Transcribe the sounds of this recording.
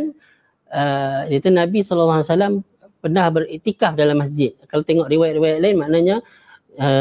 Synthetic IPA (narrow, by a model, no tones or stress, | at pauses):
n | ədit̪unabisɔləlːaɦasalam | pənahbərit̪ikahdalamːas̬d͡ʒɪt̪̚kalawt̪eŋɔʔɾiwajat̪̚riwajat̪̚laɪnmaʔnaɲa | ə